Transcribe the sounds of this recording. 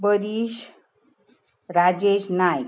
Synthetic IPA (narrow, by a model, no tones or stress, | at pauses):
bəɾiʃ | ɾad͡ʑeʃnaj